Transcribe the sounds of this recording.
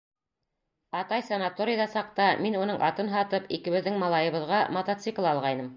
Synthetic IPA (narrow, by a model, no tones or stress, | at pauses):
ɑt̪ɑjsɐnat̪oɾʲɪjðɑsɑq̚t̪ɑminunɤɴʔɑt̪ɤnɦɑt̪ɤpikɘ̆βɘ̆ðːɘŋmɑlˠɑjɤ̆βɤ̆ðʁɑmɐt̪at̪sɨklˠɑlˠʁɑjnɤm